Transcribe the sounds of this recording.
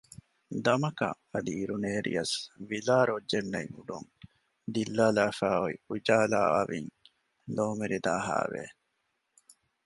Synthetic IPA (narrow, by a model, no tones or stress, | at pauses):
d̪ɐmɐkɐ̰ | ɐd̪iːɾuneːɾḭjɐsʋilaːɾod͡ʒːenːɐiŋuɖuŋ | d̪ilːaːlaːfæːoiud͡ʒaːla̰ːa̰ʋiŋ | loːmeɾid̪aːɦa̰ːʋḛ